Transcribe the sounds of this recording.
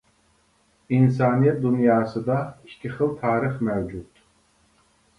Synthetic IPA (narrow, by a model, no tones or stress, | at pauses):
ins̬aːnijɛt̪̚d̪unjaːsɨd̪aʃt̪ʲʰiχɨlt̪ʰaːɾɨχmɛwd͡ʒut̪ʰʼ